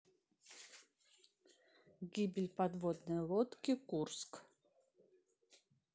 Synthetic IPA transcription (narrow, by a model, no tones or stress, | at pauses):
ɡʲibʲɪlʲpad̪vod̪nɨjlˠot̪kʲikursk